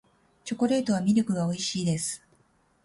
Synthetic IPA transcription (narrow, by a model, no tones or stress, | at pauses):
t͡ɕo̞ko̞ɾe̞ːt̪o̞βamʲiɾʲo̞kɯ̟ɡao̞iɕiːd̪e̞sɨ̥